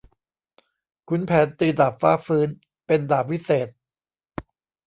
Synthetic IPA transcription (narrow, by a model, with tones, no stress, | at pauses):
kʰu˧npʰɛː˩˦nt̪ɯː˧daː˨˩p̚faː˦˥˩fɯː˦˥n | pe˧ndaː˨˩p̚ʰːi˦˥seː˨˩t̪̚